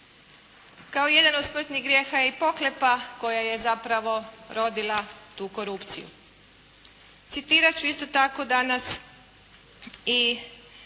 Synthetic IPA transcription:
kaoje̞d̪anod̪smr̩t̪niɣɡɾjeːxajipo̞klepako̞jaje̞zapɾaʋo̞ | ɾo̞d̪ilˠat̪uːko̞ɾupt̪sijṵ | t̪sit̪iːɾat͡ɕuist̪ot̪ako̞d̪anas | i

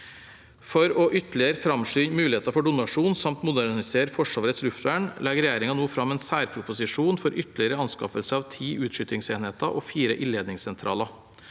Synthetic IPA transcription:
fɔɾɔːʔʏt̪lɪəɾfɾɑmʂyːnmʉːlɪeːt̪ɑfɔɖʊnɑʂuːnsɑmt̪mʊd̪æɾnɪseːɾfɔʂɑːʋɾət̪slʉft̪ʋæːɳlɛɡɾɛjæːɾɪŋɑnuːfɾɑmeːnsæːɾpʰɾʊpʊsɪʂuːnfɔɾʔʏt̪lɪəɾəɑnskɑ̰fəlsəɑːʋt̪ʰiːʔʉːt̪ʂʏt̪ɪŋseːnheːt̪ɑʔoːfiːɾəʔɪleːd̪nɪŋsɛnt̪ʰɾʔɑ̰ːlɑ

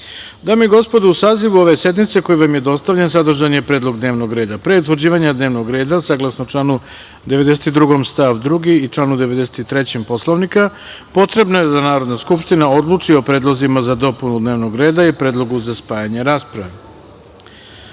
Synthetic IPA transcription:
d̪amiɡo̞spo̞d̪uusaːziʋuo̞ʋe̞sje̞d̪mit̪se̞ko̞juʋamje̞d̪o̞st̪aʋʎensad̪r̩ʒanijepɾe̞ːd̪lˠo̞ɡd̪ne̞ːʋno̞ɡɾe̞ːd̪apɾeut̪ʋr̩ɾd͡ʑiːʋaɲad̪neːʋno̞ɡɾe̞ːd̪asaːɡlˠasnot͡ʂlˠaːnu | d̪e̞ʋe̞d̪es̬et̪id̪ɾuɡo̞mst̪aʋd̪ɾuɡiːt͡ʂlˠaːnud̪e̞ʋe̞d̪e̞set̪it̪ɾe̞t͡ɕempo̞slˠoʋnika | po̞t̪ɾe̞bnoje̞d̪anaːɾo̞d̪naskupʃt̪inao̞d̪lˠut͡ʂio̞pɾe̞ːd̪lˠozimazad̪o̞punud̪ne̞ːʋno̞ɡɾe̞ːd̪aipɾe̞ːd̪lˠo̞ɡuzaspaːjaɲeɾaːspɾaʋe

